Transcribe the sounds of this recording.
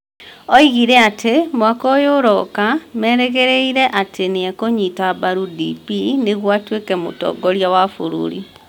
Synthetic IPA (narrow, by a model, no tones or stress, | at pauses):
ɔiɣiɾɛatʰemwakɔjoɾɔkamɛɾɛɣeɾeiɾɛʔatʰeneakoɲitabaɾudḭpineɣwatwekɛmo̰tɔ̰ːɡɔɾjawafoɾṵɾḭ